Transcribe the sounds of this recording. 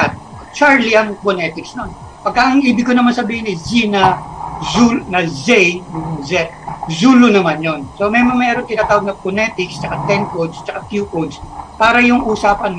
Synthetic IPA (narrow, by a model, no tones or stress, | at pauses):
at̪̚ | t͡ʃaɹliɐŋponɛt̪ɪksnon | pɐɡ̚kaʔɐŋʔiːbɪɡ̚konɐmansɐbiːhɪnɛzinɐzunɐzɛjjʊzɛt̪ | zuːlonɐmanjonsomɛmoŋmɛːɾoŋt̪ɪnaːt̪aːwɐɡ̚nɐponɛːt̪ɪkst͡ʃɐkat̪ɛnkod̪st͡ʃɐkakjukod̪spaːɾɐjʊŋʔuːsaːpɐn